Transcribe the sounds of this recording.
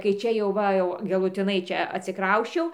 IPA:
kɐɪ ˈt͡ʃʲɛ jɛʊ ˈʋɐ jɛʊ ɡɐlˠʊˈtʲɪnɐɪ ˈt͡ʃʲɛ ɐtʲsʲɪˈkrɐʊsʲt͡ʃʲɛʊ

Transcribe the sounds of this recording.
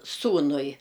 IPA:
ˈsuːnʊɪ

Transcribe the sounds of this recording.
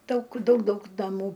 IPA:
ˈdɐʊk ˈdɐʊk ˈdɐʊk nɐˈmuː

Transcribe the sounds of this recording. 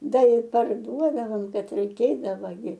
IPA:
ˈdɐ ɪ pɐrˈduɔdɐʋoːm ˈbʲɛt rʲɛɪˈkʲeːdɐʋɐ ɡʲɪ

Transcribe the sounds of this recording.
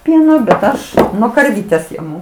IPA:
ˈpʲiɛnoː bʲɛt ˈɐʃ nuɔ kɐrʲˈʋʲiːtʲɛs jɛˈmʊ

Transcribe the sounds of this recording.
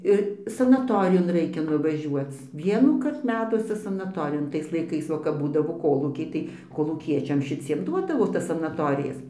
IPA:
ɪr sɐnɐˈtoːrʲɪjoːn ˈrɐɪkʲɛ nʊʋɐˈʒʲuɔt͡s ˈʋʲiɛnuːkɐrt ˈmʲæːtuɔsʲɛ sɐnɐˈtoːrʲɪjoːn ˈtɐɪs lˠɐɪˈkɐɪs ˈʋɐ kɐp ˈbuːdɐʋoː ˈkoːlˠuːkʲɛɪ tɐɪ koːlˠuːˈkʲiɛt͡ʃʲɛm ʃʲɪˈt͡sʲiɛm ˈduɔdɐʋoː ˈtɐs sɐnɐˈtoːrʲɪjɛs

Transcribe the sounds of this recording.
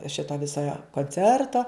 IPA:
ˈʃʲɪtoː ˈʋʲɪsoː joː koːnʲˈt͡sʲɛrtoː

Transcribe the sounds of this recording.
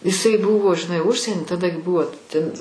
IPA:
ɪˈsɐɪ ˈbʊʋoː ʒʲɪˈnɐɪ ˈʊʃʲsʲiɛnʲɪ tɐˈdɐ ɡʲɪ ˈbʊʋoː tʲɛn

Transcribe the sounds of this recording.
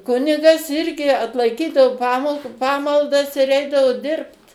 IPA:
ˈkʊnʲɪɡɐs ˈɪrʲɡʲɪ ɐtlˠɐɪˈkʲiːdɐʋoː ˈpɑːmɐlˠ ˈpɑːmɐlˠdɐs ɪr ˈɛɪdɐʋoː ˈdʲɪrpt

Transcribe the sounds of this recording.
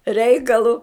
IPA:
ˈrʲɛɪkɐlˠʊ

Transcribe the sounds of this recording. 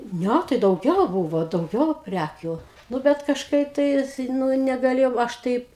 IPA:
ˈnʲæ tɐɪ dɐʊˈɡʲɛʊ ˈbuːʋoː dɐʊˈɡʲɛʊ ˈpʲrʲækʲuː ˈnʊ bʲɛt kɐʃˈkɐɪp tɐɪs ˈnʊ nʲɛɡɐˈlʲeːjɛʊ ˈɐʃ tɐɪp

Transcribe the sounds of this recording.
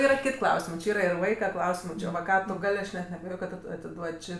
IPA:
ˈiːrɐ ˈkʲɪtʲ ˈklˠɐʊsʲɪmɜ t͡ʃʲɪ ˈiːrɐ ɪr ˈʋɐɪkɐ ˈklˠɐʊsʲɪmɜ ˈt͡ʃʲɪ ʋɐ ˈkɑː tʊ ˈɡɐlʲ ˈɐʃ nʲɛt nʲɛɐbʲɛˈjoːj kɐt kɐt ˈtʊ ɐtʲɪˈduɔtʲ ˈt͡ʃʲɪ

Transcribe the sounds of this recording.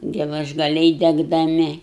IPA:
ɡʲɛlˠɐʒɡɐˈlʲɛɪ dʲɛɡdɐˈmʲɪ

